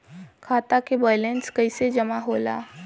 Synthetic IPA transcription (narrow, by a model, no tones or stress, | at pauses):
kʰaːt̪akebɔːjlẽnskəɪsed͡ʒɐmaɦoːla̰ː